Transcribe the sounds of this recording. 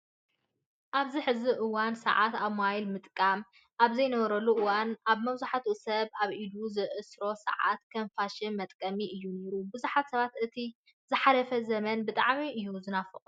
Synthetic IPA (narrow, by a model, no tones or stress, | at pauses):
ʔaβziħɨziʔɨwansɐ̰ʕat̪aβmajlmɨt̪ʼkʼam | ʔaβzɐjnɐβɐɾɐlːuʔɨwanaβmɐβzaħat̪ʰusɐβʔaβʔid̪uzɨʔɨsɾo̞sɐ̰ʕa̰t̪kʰɐnfaʃimɐt̪ʼkʼɐmiʔɨjːune̞ɾubɨzuħat̪sɐβat̪ɨt̪ʰi | zɨħalɐfɐzɐmɐnbɨt̪ʼaʕmiʔɨjːuzɨnafɨχʼ